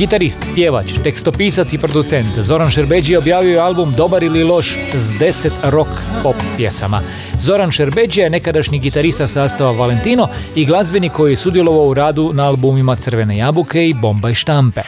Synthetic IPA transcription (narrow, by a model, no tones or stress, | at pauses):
ɡit̪aɾist̪pjeʋa̰t͡ʃt̪e̞kst̪o̞piːsat̪sipɾo̞d̪ut̪se̞nt̪zo̞ɾanʃeɾbe̞d͡ʒijeo̞bjaːʋijojealbumd̪o̞baɾililˠo̞ʃ | zd̪e̞set̪ɾo̞k | poppje̞sa̰ma̰ | zo̞ɾanʃeɾbe̞d͡ʒijaene̞kad̪aʃɲiɡit̪aɾist̪asaːst̪aʋaʋale̞nt̪iːnoiɡlˠazbiniko̞jijesud̪jelo̞ʋaouɾaːd̪unaalˠbumimat̪sər̩ʋe̞ne̞jabukʰe̞ibo̞mbaiʃt̪ampe̞